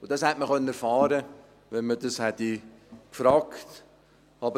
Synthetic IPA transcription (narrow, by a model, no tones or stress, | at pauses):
ʊd̥ɑshɛtməχœnəəfɑːɾə | ʋɛnmədɑshɛt̪ikfɾɑːkt | ɑbə